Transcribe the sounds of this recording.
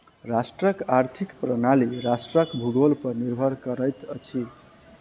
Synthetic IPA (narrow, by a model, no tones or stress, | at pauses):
rasʈrʌkaɾt̪ʰikprʌnaliɾasʈrʌkbʱuɡolpʌniɾbʱʌɾkʌɾʌjt̪ʌt͡sʰi